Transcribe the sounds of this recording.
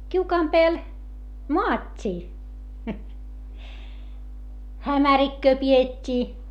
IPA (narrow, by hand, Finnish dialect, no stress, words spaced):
kiukɑːm peæl moɑtʲːiː hæmærikːøː pietʲːiː